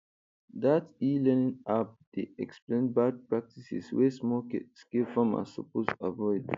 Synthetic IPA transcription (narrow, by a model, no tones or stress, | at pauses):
d̪atilɛ̃nĩŋap̚d̪̥iɛksplẽnd̚bad̚pɹak̚tisḭswesmɔkskilfãma̰sɔ̰posavɔɪd